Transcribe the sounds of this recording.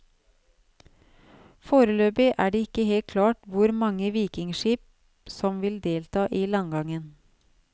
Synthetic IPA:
foːɾəløːpɪʔæːɖeːɪkəheːlt̪̚kʰlɑːʈʋʊɾmɑŋəʋiːkɪŋʃiːp̚ | sɔmʋɪld̪eːlt̪ʰɑːʔiːlɑŋɡɑŋən

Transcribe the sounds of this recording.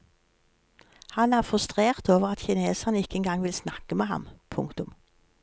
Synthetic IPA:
hɑnæːʁfʁʉst̪ʁeːʁt̪oːʋəʁɑt̪çɪneːsənəɪkːəɛnɡɑŋʋɪlsnɑkəmeːhɑ̰mpʰʊ̰ŋkt̪ʊm

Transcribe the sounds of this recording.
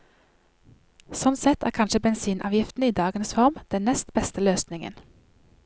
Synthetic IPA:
sɔnt̪sɛt̪ʰæ̰ːʁkʰɑnʃəbɛnsiːnʔɑ̰ːʋjɪft̪n̩əiːd̪ɑːɡənsfɔʁmd̪̥ɛnnɛst̪bɛst̪əløːsnɪŋə̰n

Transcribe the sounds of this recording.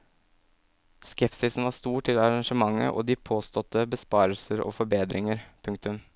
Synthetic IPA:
skɛpsɪsn̩ʋɑːst̪uːʈʰɪlɑɾɑŋʂəmɑŋːə̰ʔo̰ːd̪iːpʰoːst̪ɔt̪ʰːəbəspɑːɾəlsəɾo̰ːfɔɾbeːd̪ɾʔɪŋəɾpʰʉŋk̚t̪ʉm

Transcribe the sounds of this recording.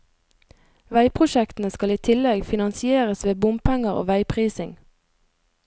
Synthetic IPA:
ʋæɪpʰʁʊʃɛkt̪n̩əskɑliːt̪ʰɪlɛɡfɪnɑnsɪeːʁəsʋeːbʊmpʰæŋəʁo̰ːʋæɪpʰʁiːsɪŋ

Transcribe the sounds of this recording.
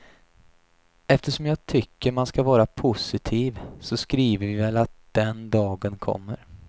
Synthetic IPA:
ɛft̪əʂɔmjɑːɡ̚t̪ʰʏkːəɾmanskavɑːɾapʰʊsɪt̪ʰiːvsɔskɾiːvəɾvɪvɛlat̪̚d̪̥ɛnd̪ɑːɡənkʰɔ̰mːəɾ

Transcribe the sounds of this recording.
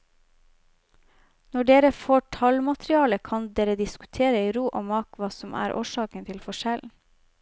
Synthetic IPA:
nɔɖeːɾəfoːʈʰɑlmɑt̪ɾɪɑːləkʰɑnd̪eːɾəd̪ɪskʉ̥t̪ʰeːɾəiːɾuːʔoːmɑːkʋɑːsɔmʔæ̰ːɾʔo̰ːʃɑːkənt̪ʰɪlfɔʃɛln̩

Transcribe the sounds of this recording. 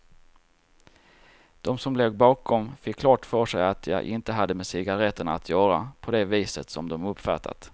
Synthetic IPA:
d̪̥ɔmsɔmleːɡ̚bɑːkʰɔmfɪkʰːlɑːʈfœʂɛjat̪ʰjɑ̰ʔɪnt̪əɦad̪ːəmɛsɪɡaɾɛt̪ːəɳat̪ʰjœːɾa̰pʰɔd̪ɛviːsə̰t̪sɔmd̪ɔmɵpfæ̰t̪ʰa̰t̪

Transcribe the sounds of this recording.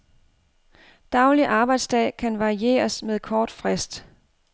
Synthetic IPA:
d̥ɑ̈ʊliʔɑ̈ːb̥ɑ̈ɪd̥sd̥ɛ̰ːkʰænʋɑ̈ʁie̝̰ːɐsmeðˠkʰɒːd̥fʁɛsd̥

